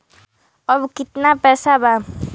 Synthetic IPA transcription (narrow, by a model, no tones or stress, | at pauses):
ʌbukit̪napɛsaba